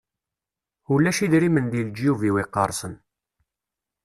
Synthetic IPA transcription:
ulːæʃiðɾimənd̪ild͡ʒjuviwiqːɑɾˤsən

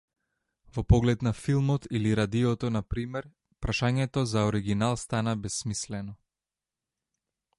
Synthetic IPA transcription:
vɔpɔɡlɛt̪nafilˠmɔt̪iliɾad̪ijɔt̪ɔnapɾimɛɾ | pɾaʃaɲɛt̪ɔzaɔɾiɡinalˠst̪anabɛsːmislɛnɔ

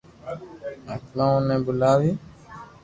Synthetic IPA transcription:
aklɔ̃nɛ̃bulawi

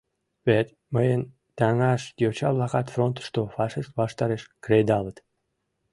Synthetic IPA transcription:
βet̪ | məjən | t̪ɑŋɑʃt̪ʲjot͡ɕɑβlɑkɑt̪front̪ə̥ʃt̪ofɑʃiʃt̪βɑʃt̪ɑɾeʃkrejd̪ɑlət̪

